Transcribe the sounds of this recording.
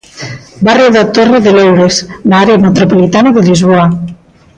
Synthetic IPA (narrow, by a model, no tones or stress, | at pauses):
barieðat̪oreðelewɾeslaɾeemet̪ɾopolit̪anaðeʎizβoa